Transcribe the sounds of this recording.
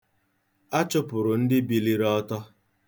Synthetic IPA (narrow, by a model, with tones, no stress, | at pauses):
a˦t͡ʃʊ˦pʊ˨ɾʊ˨n̩˦dɪ˦bi˨li˦ɾɔ˦tɔ˦